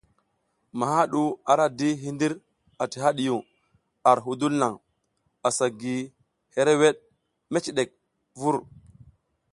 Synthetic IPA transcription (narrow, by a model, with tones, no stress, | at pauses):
ma˨ɦa˦ɗu˦a˨ɾa˦di˦ɦi˦ndi˦ɾ | a˨ti˨ɦa˦ɗi˨ju˨ŋ | a˨ɾɦu˨du˦lna˨ŋ | a˨sa˨ɡi˨ | he˦ɾe˦we˦ɗ̚ | me˦t͡ʃi˨ɗe˨k̚ | vu˦ɾ